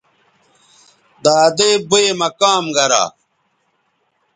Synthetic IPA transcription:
d̪aːd̪eːbuemɐkaːmɡɐɾa̰ː

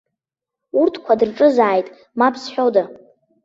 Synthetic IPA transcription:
urtʰkʷʰadɨrʈ͡ʂʼɨzaːjtʼ | mapʰsħʷᶣowda

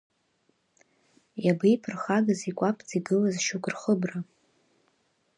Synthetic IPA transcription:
jabejpʰɨrχaɡazikʷʼapʰʼt͡sʼiɡɨlazʃuɡʷʼʊrχəbra

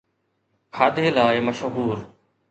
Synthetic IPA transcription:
kʰaːɗ̪ʱeːlaːeməʃɦuːɾ

